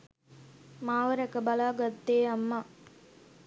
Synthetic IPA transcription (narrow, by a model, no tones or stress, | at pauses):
maːʋəɾɛkəbalaːɡɐt̪ːeːamːa